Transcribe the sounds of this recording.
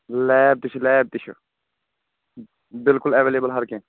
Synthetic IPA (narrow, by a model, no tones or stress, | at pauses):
lɛːb̚t̪ɪt͡ʃʰlɛːb̚t̪ɪt͡ʃʰṵ | bɪlkʊlɛʋeːleːbəlɦɐɾkẽ